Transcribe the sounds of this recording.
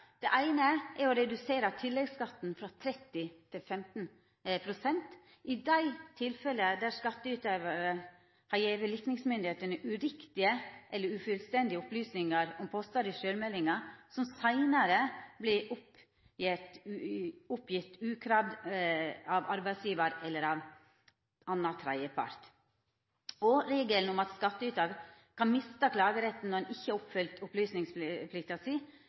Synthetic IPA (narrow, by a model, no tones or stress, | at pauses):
d̪̥ɛʔæɪnəʔɛɾɔɾɛd̪ʉseːɾɑt̪ʰɪlːɛɡskɑt̪ːn̩fɾɑt̪ʰɾɛt̪ːɪt̪ʰɪlfɛmt̪n̩ | pʰɾʊsɛnt̪ | ʔɪd̪æɪt̪ʰɪlfɛləd̪æɾskɑt̪ːəʉt̪øːʋɑɾə | hɑɾjeːʋəlɪknɪŋsmʏnd̪ɪheːt̪ənəʔʉɾɪkt̪ɪəʔɛlːəɾʉfʉlst̪ɛnd̪ɪəʊplyːsnɪŋɑɾɔmpʰoːst̪ɑːd̪ɪʃøːɾmɛlːɪŋɑsɔmsæɪnəɾəblɪʔʊp | jɪt̪ | ʊpjɪt̪ːʉːkʰɾɑd̪ | ɑʋɑɾbæɪsjiːʋɑɾɛlːəɾɑʋ | ɑnːɑt̪ʰɾɑɪəpʰɑ̰ɾt̪ | ɔɾeːɡəln̩ʊmɑt̪skɑt̪ːəʉːt̪ɑɡ | kʰɑnmɪst̪əkʰlɑːɡəɾɛt̪ːn̩ɔɾɛnɪçːəɑʊpfʏlt̪ʊplyːsnɪŋspʰlɪk̚t̪ɑsiː